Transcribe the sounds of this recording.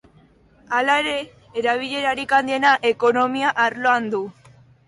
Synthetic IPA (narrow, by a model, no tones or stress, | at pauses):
alae̞ɾe̞ː | ɾaβ̞iʎe̞ɾaɾikand̪ienaʔe̞ko̞no̞miaʔaɾloand̪u